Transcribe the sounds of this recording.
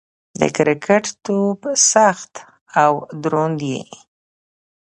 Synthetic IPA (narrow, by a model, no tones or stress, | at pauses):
d̪ə̰kɾɪkʰaʈt̪obsaxt̪ | awd̪ɾond̪jḭ